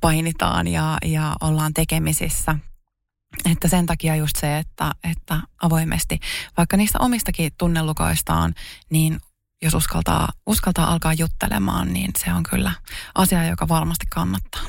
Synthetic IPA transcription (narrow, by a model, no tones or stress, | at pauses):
pɑinit̪ɑ̰ːnjɑjɑolːɑːnt̪ekemisisːæ | et̪ːæsent̪ɑkiɑjust̪seːt̪ːæet̪ːæʔɑʋo̞imʔḛst̪iʋɑikːɑniːst̪æ̰ʔomist̪ɑkit̪unːelːuko̰ist̪ɑ̰ːnniːn | josuskɑ̰lt̪ɑ̰ːuskɑlt̪ɑːʔɑlkɑːjjut̪ːḛlḛmɑ̰ːnnḭːnseoŋky̰lːæʔɑsiɑjokɑʋɑrmɑst̪ikkɑnːɑt̪ːɑ̥ː